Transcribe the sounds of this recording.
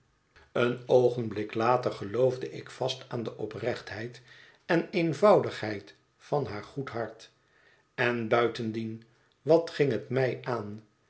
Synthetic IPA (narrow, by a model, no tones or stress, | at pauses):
ənowχənblɪklaːtəɹχəlowvdəɪkfɑstaːndəʔɔprɛχtɦɛjt | ɛnejnvɑwdəχhɦɛjt | fɑnɦaːɹχutɦɑɹt | ɛnbœɥtəndin | ʋɑtχɪŋɦətmɛjʔaːn